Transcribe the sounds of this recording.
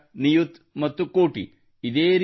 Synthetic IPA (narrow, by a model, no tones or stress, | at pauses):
nijut̪ | mɐt̪ːukoːʈḭ | id̪eːɾ